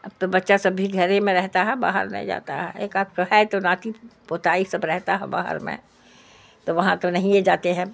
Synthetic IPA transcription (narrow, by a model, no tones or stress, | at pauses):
ɐbt̪obɐtːʃasɐbʱiɡʱɐɾẽmẽɾɛɦt̪aɦɛba̰ːɦə̰ɾmḛ̃d͡ʒa̰ːt̪a̰ɦɛeːkaːkoɦɛet̪onaːt̪ʰipoːt̪aːisɐbɾɛɦt̪aɦɛ̰ba̰ːɦə̰ɾmḛ̃ | t̪oʋɐɦãt̪onɐɦĩjed͡ʒaːt̪eɦɛ̃ː